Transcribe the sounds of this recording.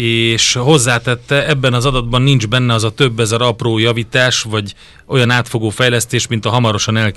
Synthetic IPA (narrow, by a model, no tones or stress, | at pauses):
eːʃɦo̞zːaːt̪ɛt̪ːɛɛbːɛnɒzɒd̪ɒd̪bɒnːind͡ʒbɛnːɛɒzɒt̪ø̞bːɛzɛɾɒproːjɒvit̪aːʃvɒɟ | ʔo̞jɒnaːt̪fo̞ɡoːfɛjlɛst̪eːʃmint̪ɒɦɒmɒɾo̞ʃɒnɛl